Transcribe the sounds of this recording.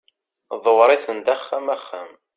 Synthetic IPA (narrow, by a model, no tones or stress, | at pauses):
ðˤəwɾˤiθənd̪æχːæmæχːæm